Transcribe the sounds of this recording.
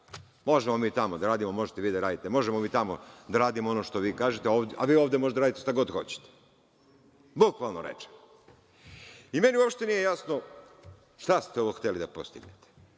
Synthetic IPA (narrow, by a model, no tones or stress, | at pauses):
mo̞ʒemo̞miːt̪amod̪aɾaːd̪imomo̞ʒet̪eʋiːd̪aɾaːd̪it̪emo̞ʒemomiːt̪amo̰d̪aɾaːd̪imoo̞noʃt̪o̞ʋiːkaːʒet̪eoːʋd̪ʔa̰ʋiːoːʋd̪emoʒet̪ɾad̪it̪eʃt̪aɡo̞d̪xo̞̰t͡ɕe̥t̪e̥ | bukʋalˠnoɾḛt͡ʃe̥m | ime̞niuopʃt̪enijejasno | ʃt̪ast̪eɛoʋoxt̪elid̪apost̪iɡnet̪e̥